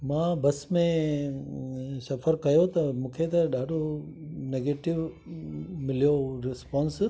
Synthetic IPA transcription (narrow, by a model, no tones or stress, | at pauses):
mãbɐsmẽ | sɐfʰəɾkɐjot̪ɐmukʰet̪ɐɖaɖuneɡeːʈiʋ | mɪljoɾɪspɔːns